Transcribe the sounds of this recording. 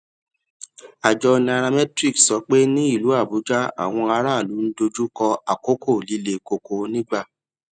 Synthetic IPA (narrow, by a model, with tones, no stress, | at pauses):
a˨d͡ʒɔ˧nĩ˧a˧ɾa˧mɛ˦tɾi˦˨ksɔ˨˦k͡pe˦nĩ˦i˦˨lu˨˦a˦˨bu˨˦d͡ʒa˦a̰˦˨w̃ɔ̃˧a˧ɾa˦˨lu˨˦n̩˦do˧d͡ʒu˦kɔ˧a˨ko˨˦kʰo˦˨li˧le˨ko˨ko˨nĩ˦ɡ͡ba˦˨